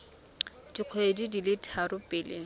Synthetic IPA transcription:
diq͡χʰɔedidilɪtʰarʊpʼɪːlɪ

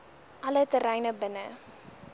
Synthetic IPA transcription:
ʔɐlətəɾɛjnəbənə

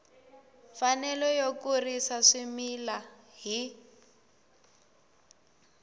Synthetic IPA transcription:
fanɛlɔjokurisaʂimila | ɦi

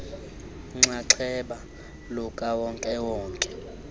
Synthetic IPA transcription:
ŋ͡ǀaǀʰɛɓa | lɔkʼawɔŋkʼɛwɔːŋkʼɛ̥

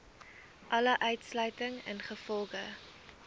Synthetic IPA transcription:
ʔɐləʔœɥtslœɥtəŋə̰nχəfɔlˠχə

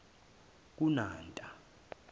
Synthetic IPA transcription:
k̬unaːntʼa

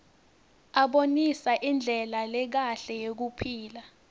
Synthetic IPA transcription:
aɓonisaʔind͡ɮʱɛlalɛk̬aɬɛjek̬upʰiːla

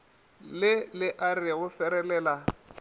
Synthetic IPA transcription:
lɪlɪʔariaʊfɛɾɛlɛːla

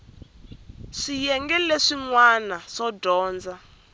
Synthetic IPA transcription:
ʂijɛŋɡɛleʂiŋwanaʂɔdɔːnd͡za

